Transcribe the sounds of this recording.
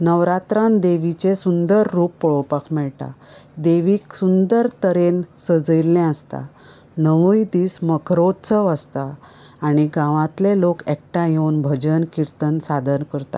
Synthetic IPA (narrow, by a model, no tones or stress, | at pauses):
nəʋɾat̪ɾãnd̪eʋit͡ɕesund̪əɾːuːpːəɭopəkʰmɛɭʈa̰d̪eʋiːksund̪əɾt̪əɾensəd͡zəjlːɛ̃əst̪a̰ | nəʋujd̪iːsməkʰɾot̪t͡səʋəst̪aː | ɽ̃iɡãʋãt̪lelokɛk̚ʈajewnbʱəd͡ʑənkiɾt̪ənsad̪ənkəɾt̪a̰